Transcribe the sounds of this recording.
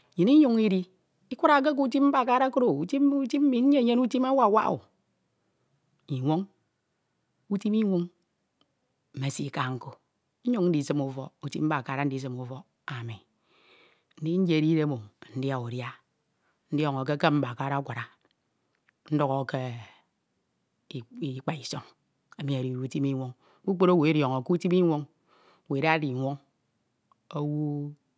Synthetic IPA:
ɲi˨ni˦ɲu˦ŋi˦ɾi˦ | i˦kʷu˦ɾa˨k̬e˦k̬u˦u˦t̬i˦p̚m̩˦ba˨ka˦ɾa˦ko˦ɾo˨u˨ti˦u˦ti˦m̩˦mi˨n̩˦e˦˨ɲe˦nu˦ti˦ma˦wa˨wa̰˦ʔṵ˨ | i˨ŋʷo˦ŋ | u˦ti˦mi˦ŋʷu˦ŋ | m̩˨me˨si˦ka˦ŋ̩˦ko˨˦ | ɲu˦ŋ˦n̩˦i˨sɨ˦mu˨fɔ˦u˨ti˦p̚m̩˦ba˨ka˨ɾa˦n̩˦i˦s̬ɨ˦mu˨fɔ˦ | a˨mi˨ | n̩˦di˦n̩˦d͡ʒe˦˨ɾi˦ɾe˦mo˨n̩˦dja˦u˨ɾja˦ | n̩˦djɔ˦ŋo˨ke˦ke˦m̩˦ba˨ka˦ɾa˦kʷa˨ɾa˨ | n̩˦do˦ɣo˨˦ke˦˨˦ | k͡pa˨i˨so˦ŋ | a˨mi˨a˨ɾi˨u˦ti˦mi˦ŋʷo˦ŋ | ku˦k͡po˦ɾo˦wo˨e˦ɾjo˨ŋo˨ku˦ti˦mi˦ŋʷo˦ŋ˨ | we˨da˦ɾi˨ŋʷo˦ŋ | o˦wo˦

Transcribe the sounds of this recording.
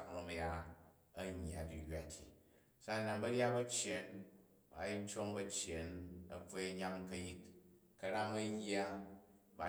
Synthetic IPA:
kno˨mɐ˦ja˦ | ɐ˦ɲː˨a˨di˨jʲʷa˦tʰi˨ | sa˦nːa˨nbɐ˦ɾʲa˦bɐ˦t͡ʃje˨n | ba˨˦i˦n˦t͡ʃo˦ŋbɐ˦t͡ʃje˨nɐ˨fe˦ɐ˦ɲa˦ŋkɐ˦ji˦t | kɐ˦ɾa˦ŋɐ˦jʲa˦ | ba˨˦

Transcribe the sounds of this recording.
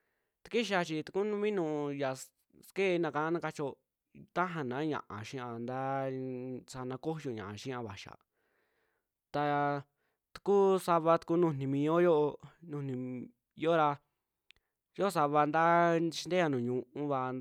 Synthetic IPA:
t̪ḁ˧ki˦ʃ̬a˧t͡ʃi˧t̪u̥˧ku˦nũ˧mĩ˦nũ˧ja˨ | ske˦˧nã˧ka˧˨ã˦nã˧ka˧t͡ʃo˧ | t̪a˦ɦã˧nã˨˦ɲã̰˨ʔã̰˨ʃĩ˦ã˧nd̪a˦ | sa˧nã˧ko˦jo˧ɲã̰˨ʔʃĩ˦ã˧βa˨ʃa̰˨ | t̪a˧ | t̪u̥˧ku˦sa˧βa˧t̪u̥˧ku˦nũ˧˨nĩ˧mĩ˧o˦jo˦ʔo˧nũ˧˨nĩ˧ | jo˦ɾa˧ | jo˦˧sa˧βa˧nd̪a˦i˧i˧nd̪e˦ja˧nũː˨ɲũ˧ʔũ˧βa˧

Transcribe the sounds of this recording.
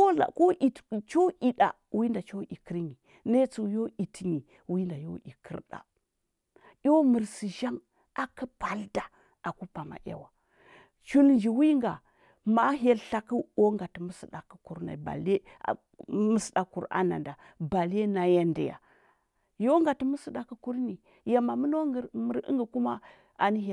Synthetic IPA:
ko˦a̰˨ko˦ʔi˨tt͡ʃo˦ʔi˨ɗa̰˨ | wi˦nda˨t͡ʃo˦ʔi˨kə˦ɾɲi˨ | ne˦t͡su˨jo˦i˨ti˨ɲi˨ | wi˦nda˨jo˦ʔi˨kʰə̰˦ɾɗa̰˨ | jʲo˦mə˨ɾsi˨ʒa˦ŋ | a˨kə˦pa˨lda˨ | a˨ku˦pa˨ma̰˨ʔja̰˦wa˨ | t͡ʃu˦lnd͡ʒi˨wi˦ŋɡa˨ | ma˦ɦe˦lɬa˦ki˦o˦ŋɡa˨ti˨mu˦si˨ɗa˨kə˦ku˨ɾna̰˨ba̰˨le˦˨ | mə˦sda˨ku˨ɾa̰˦na̰˨nda˨ | ba˨le˦na˨ja˦nda˨ja̰˨ | jo˦ŋɡa˨ti˦mə˦sə˦ɗa˨kə˦ku˦ɾni˨ | ja˨ma˨mu˦no˦˨ɾmə˨ɾḭ˦ŋɡə˨ku˦ma˦ | a˨ni˦ɦe˦˨

